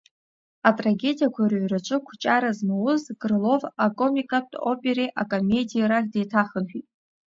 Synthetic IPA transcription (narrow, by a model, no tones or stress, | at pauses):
atʼraɡʲe̞dijakʷʰaɾaɥrat͡ʃʷʰʼɨkʷʰt͡ʃʼaɾazmawʊzɡrɨlo̞vakʼo̞mikʼap̚tʰʼo̰pʼe̞ɾeʔakʼome̞dijaɾakdejtʰaχənχᶣitʼ